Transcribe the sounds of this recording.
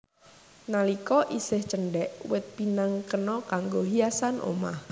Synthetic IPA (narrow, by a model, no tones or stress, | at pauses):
nalikɔʔisɪht͡ʃənɖɛʔwɪt̪̚pinaŋkənɔkaŋɡoɦiasanʔo̰ma̰h